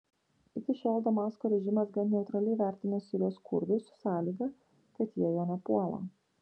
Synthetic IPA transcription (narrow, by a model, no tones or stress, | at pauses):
ɪkʲɪʃʲoːlˠd̪ɐmɑːskoːɾʲɛʒʲɪmɐsɡɐnnʲɛʊt̪ɾɐlʲɛɪʋʲæˑɾʲt̪ʲɪnʲɐsʲiɾʲoːskʰʊ̰ɾd̪ʊɪsʊ̥sɑːlʲiːɡɐ | kɐt̪jiɛjoːnʲɛpuɔlˠɐ̰ː